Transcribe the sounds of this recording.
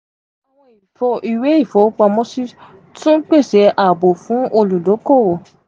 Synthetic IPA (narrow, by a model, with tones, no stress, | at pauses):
wa˨w̃ɔ̃˧i˨fɔ˧i˨we˨˦i˦˨fɔ˨˦k͡pa˧mɔ̃˦si˦ | tũ˦k͡pe˦˨sɛ˨˦ʔa˨bo˨fũ˨˦ʔo˧lu˨lo˨˦ko˦˨wo˨